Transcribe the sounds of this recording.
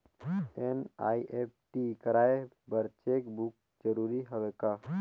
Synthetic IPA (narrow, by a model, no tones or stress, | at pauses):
ena̰ːiʔep̚ʈikəɾaːe | bəɾt͡ʃekbuk̚ | d͡ʒəɾuɾiɦəʋeka